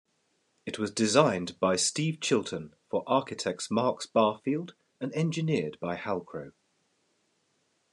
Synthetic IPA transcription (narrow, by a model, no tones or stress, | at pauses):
ɪʔwɒzdɪzãɪ̃nb̥aɪstiːv̥t͡ʃʰɪlˠtʰə̃nfəɹʔɑˑkɪtʰɛk̚tsmɑˑksb̥ɑˑfiːlˠd | ə̃nɛ̃nd͡ʒɪnɪədbaɪhalˠkʰɹ̥əʊ